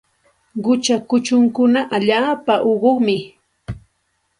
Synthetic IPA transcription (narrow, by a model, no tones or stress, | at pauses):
ɢʊt͡ʃakʊt͡ʃʊŋkʊnaʔaʎaːpaʔoɢoχmɪ